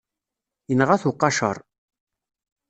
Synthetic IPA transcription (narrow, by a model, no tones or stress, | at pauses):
jənʁæθʊqːɑʃə̰ɾˤ